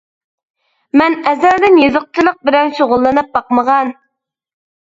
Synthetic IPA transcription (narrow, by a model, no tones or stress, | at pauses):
mɛnɛzæɾd̪ɪnjeðʊq̚t͡ʃ̪ɨlˠəq̚bɪɾɛŋʃoʁʊlˠːɑnɨp̚bɑqməʁɑn